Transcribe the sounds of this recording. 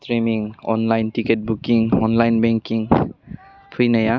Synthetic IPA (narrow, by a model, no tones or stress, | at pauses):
tɾimiŋɔnlajntiket̚bukiŋɔnlajnbɛŋkiŋ | pʰɯjnɐja